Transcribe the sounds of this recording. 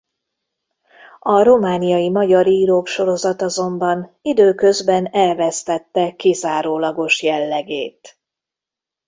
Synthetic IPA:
ɒɾo̞maːnijɒjimɒɟɒɾiːɾoːkʃo̞ɾo̞zɒt̪ɒzo̞mbɒnid̪øːkø̞zbɛnɛlvɛst̪ɛt̪ːɛkizaːɾoːlɒɡo̞ʃjɛlːɛɡeːt̪

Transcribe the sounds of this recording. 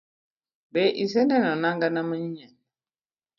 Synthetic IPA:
bɛʔis̬ɛnɛnɔnaŋɡanaməɲɛn

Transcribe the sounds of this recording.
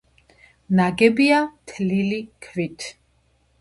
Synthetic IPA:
naɡɛbiat̪ʰlilikʰvit̪ʰ

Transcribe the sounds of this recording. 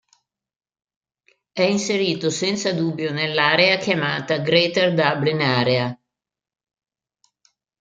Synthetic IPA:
ɛinseɾiːt̪osɛnt̪sad̪ubːjonelːaːɾeakjamaːt̪aɡɾet̪erd̪ablinaːɾea

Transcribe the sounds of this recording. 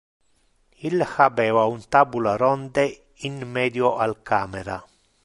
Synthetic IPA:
ilxabɛːvaunt̪aːbulaɾɔnd̪e | inmɛːd̪joʔalkaːmeɾa

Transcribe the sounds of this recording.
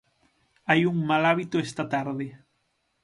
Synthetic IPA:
ajuŋmalaβit̪ʊest̪at̪aɾðɪ

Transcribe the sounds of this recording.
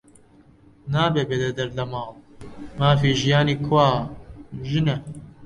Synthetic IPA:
naːbeːbeːd̪ɛd̪ɐɾlɐmaːlmaːfiːʒijaːniːkʰwaː | ʒɨnɛ

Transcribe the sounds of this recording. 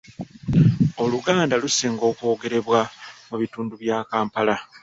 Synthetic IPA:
o̞luɡaːndalusiːŋɡo̞ːkwo̞ːɡe̞ɾe̞βwamuβituːnduβjaːkaːmpala

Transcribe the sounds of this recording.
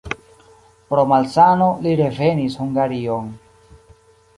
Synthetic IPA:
pɾo̞malsano̞liɾe̞ve̞nishuŋɡaɾio̞n

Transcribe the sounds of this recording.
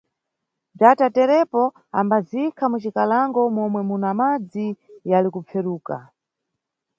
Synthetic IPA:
b͡ʐatatɛɾɛpɔ | a̰mbazikʰamut͡ʃikalaŋɡɔmɔmwɛmunamad͡zijalikup͡fʰɛɾuːka̰

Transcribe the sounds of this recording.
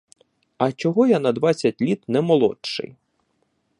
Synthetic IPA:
ɐt͡ʃɔɦɔjanɐd̪ʋɑt͡sʲːɐtʲlʲit̪nɛmɔlˠɔ̰tʃɪ̰j

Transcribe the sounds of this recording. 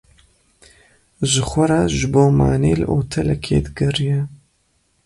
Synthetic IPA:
ʒɨxʷɐɾɑʒɨboːma̰ːneːlɨ̰ʔoːt̪ʰɛlɛkʰḛːd̪ɨɡɐrijɛ

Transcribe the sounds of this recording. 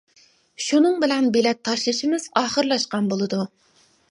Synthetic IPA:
ʃunɨŋbɪlɛnbelɛt̪ʰːɑʃlˠɨʃimɪz̥ɑːχəɾlˠɑʃqɑnbolˠɨd̪u

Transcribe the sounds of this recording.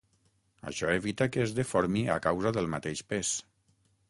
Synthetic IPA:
ə̰ʃɔeβit̪akəːzðefɔɾmia̰kawzəðəlˠmat̪eʃpes

